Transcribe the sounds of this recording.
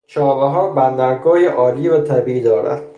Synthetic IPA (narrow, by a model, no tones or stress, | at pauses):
t͡ʃʰɒːveɦɒːɾbænd̪æɾɡɒːheʔɒːliːvæt̪ʰæbiːid̪ɒːɾæ̰d̪̥